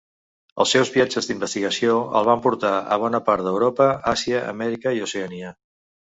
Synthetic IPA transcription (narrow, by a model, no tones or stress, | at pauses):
ə̰lˠsɛwzβiad͡ʒəzd̪imbəst̪iɣəsioə̰lˠβ̞ampuɾt̪aə̰β̞ɔnəpaɾt̪d̪əwɾopəasiəə̰mɛɾikəiuseənia